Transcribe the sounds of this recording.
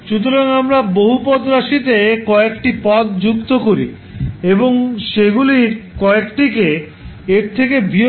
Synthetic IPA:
ʃut̪oɾaŋamɾaboɦupɔd̪ɾaʃit̪ekɔekʈipɔt̪d͡ʑukt̪okoɾḭ | eboŋʃeɡuliɾkɔekʈike | eɾt̪ʰekebʱi

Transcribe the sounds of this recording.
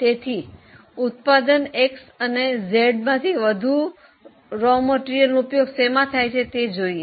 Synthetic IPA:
t̪et̪ʰi | ut̪̚pad̪əneksənezeɖmãt̪ʰiʋəd̪ʱu | ɾoməʈiɾijəlnupjoɡsemãt̪ʰajt͡ʃʰet̪ed͡ʒoie

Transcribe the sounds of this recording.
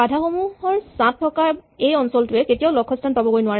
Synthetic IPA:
adʱaxomuɦɔɹsãtʰːɔkaejɔnsɔltʊɛketijaʊlɔkʰːɔstʰanpabɔkɡojnʊwaɹɛ

